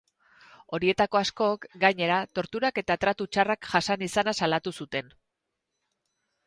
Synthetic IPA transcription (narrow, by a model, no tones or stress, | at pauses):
o̞ɾie̞t̪ako̞asko̞kɡaɲe̞ɾat̪o̞ɾt̪uɾake̞t̪at̪ɾat̪ut͡ʃarakʝasanisanasalat̪usut̪e̞n